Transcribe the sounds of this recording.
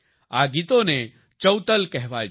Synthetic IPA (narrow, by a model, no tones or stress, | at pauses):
aɡit̪one | t͡ʃəwt̪əlkɛɦʋaj